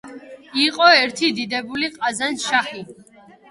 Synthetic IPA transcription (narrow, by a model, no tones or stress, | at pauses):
iqʼɔɛɾt̪ʰid̪id̪ɛbuliqʼazanʃaχi